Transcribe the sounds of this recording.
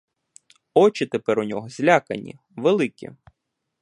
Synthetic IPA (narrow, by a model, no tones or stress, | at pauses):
ɔt͡ʃɪt̪epɛɾʊnʲɔɦɔzʲlʲakɐ̰nʲḭ | ʋelˠɪkʲḭ